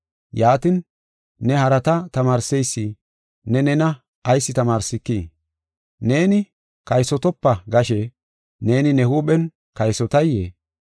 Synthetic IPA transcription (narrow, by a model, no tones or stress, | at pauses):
jaːt̪ɪnː | ɛhɐɾɐt̪ɐt̪ɐmaːɾsɛjsːɪ | nɛnɛnɐː | jsːɪt̪ɐmaːɾsɪkːiː | ne̞ːnɪ | kɐjsɔt̪ɔpːɐɡɐʃɛ | ne̞ːnɪnɛhuːɓɛn | kɐjsɔt̪ɐjːḛː